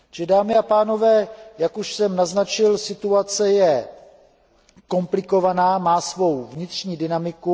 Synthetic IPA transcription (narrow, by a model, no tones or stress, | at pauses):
ɛdaːmɪapaːno̞vɛːjakuʃsɛmnaznat͡ʃɪlsɪt̪uat͡sɛjɛ | ko̞mplɪko̞vanaːmaːsvo̞wvɲɪt̪r̝̥ɲiːdɪnamɪku